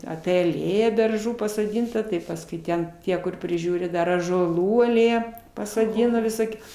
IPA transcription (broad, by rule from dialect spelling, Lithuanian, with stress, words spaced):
ɐpʲiɛ ɐˈlʲeːjɛ bʲɛrˈʒuː pɐsoːˈdʲiːntɐ tɐɪ pɐsˈkʊɪ ˈtʲɛn ˈtʲiɛ kʊr pʲrʲɪˈʒʲuːrʲɪ ˈdɐr ɑːʒuɔˈlˠuː ɐˈlʲeːjɛ pɐsoːˈdʲɪnɐ ʋʲɪˈsoːkʲuː